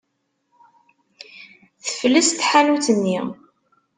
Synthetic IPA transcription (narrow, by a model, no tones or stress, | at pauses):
θə̥fləst̪ħanuθənːi